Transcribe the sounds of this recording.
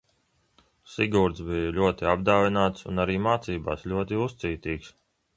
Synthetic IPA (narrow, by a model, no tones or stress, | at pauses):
siɡuːɾt̪sbijulʲuɔt̪iabd̪aːvinaːt̪sṵnaɾiːmaːt̪siːba̰ːslʎʲuɔt̪iust̪siːt̪iːks